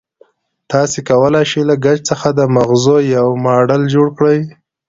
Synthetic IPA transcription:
t̪ɑsekawəlajʃelaɡat͡ʃt͡səxad̪əmaɣzojawmɑɖəld͡ʒoɽkɽəj

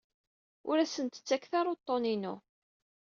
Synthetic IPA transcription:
ʊɾæsənt̪ə̥t͡sːækθɑɾˤot̪ˤːoninʊ

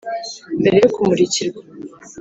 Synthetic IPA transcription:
mbeɾe̞jokumuɾiciɾɡa

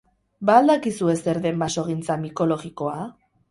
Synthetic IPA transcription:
baːld̪akisue̞se̞ɾðe̞mbaso̞ɣ̞int͡samiko̞lo̞ɣiko̞a

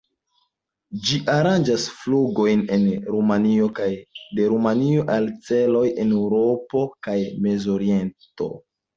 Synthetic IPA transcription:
d͡ʒiʔaɾand͡ʒasfluɡo̞jnenɾumanio̞kajde̞ɾumanio̞ʔalt͡se̞lo̞je̞ne̞wɾo̞po̞kajme̞zo̞ɾie̞nto̞̰

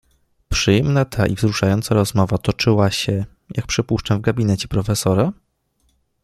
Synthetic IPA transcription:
pʂɘjɛmnat̪ʰaʔivzɾuʂajɔnt̪saɾɔzmɔvat̪ɔt͡ʂɘwaɕɛ | jʔak̚pʂɘpuʂt͡ʂavɡabʲinɛt͡ɕɛpɾɔfɛsɔɾa

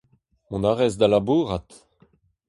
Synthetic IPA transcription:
mɔ̃naʁɛzd̪alabuːʁat̪

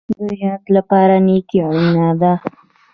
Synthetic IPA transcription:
d̪əjɑd̪lapɑɾanekjɑɽinad̪a

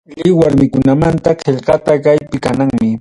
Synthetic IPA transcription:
lɪwaɾmɪkʊnamant̪aqeʎqɑt̪akajpɪkanaŋmɪ

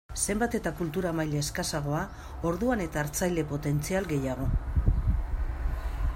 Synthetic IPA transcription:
se̞mbat̪e̞t̪akult̪uɾamajleeskasaɣ̞o̞a | o̞ɾðuane̞t̪aːɾt͡sajle̞po̞t̪e̞nt͡sialɡe̞jaɣ̞o̞

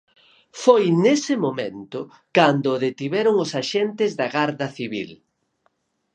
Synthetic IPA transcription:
fojnesɪmomẽnt̪ʊ | kand̪ʊðet̪iβɛɾʊŋʊsaʃɛnt̪ɪzðɐɣaɾðɐθiβḭl

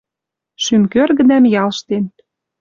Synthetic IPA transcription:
ʃymkørɣə̆d̪æmjɑlʃt̪en

